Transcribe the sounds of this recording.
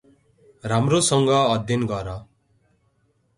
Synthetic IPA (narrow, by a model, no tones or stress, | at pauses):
ramrosʌŋɡʌːd̪ʱjʌnɡʌɾʌ